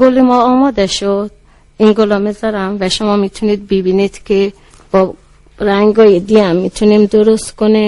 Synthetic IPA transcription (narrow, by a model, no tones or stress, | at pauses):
ɡolimɔɔmɔd̪ɛʃod̪̥ | inɡolɔmezaɾamvɛʃomɔmit̪ʰunit̪̚bibinit̪kʰe | b̥ɔ | ɾaŋɡɔjid̪iamːit̪ʰunimd̪oɾost̪kone